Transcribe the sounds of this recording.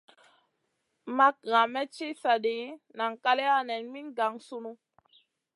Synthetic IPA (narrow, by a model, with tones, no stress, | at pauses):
ma˦k̚ɣã˨mɛ˦t͡ʃi˦sa˨ɗi˨˦na˨ŋka˦le˦a˦nɛ˨nmi˦nɡa˨ŋsu˦nu˦